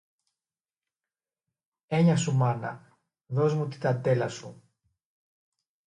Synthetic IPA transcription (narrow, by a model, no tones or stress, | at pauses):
e̞ɲɐsumɐnɐ̰ | ðo̞zmut̪i̥t̪ɐd̪e̞lɐsu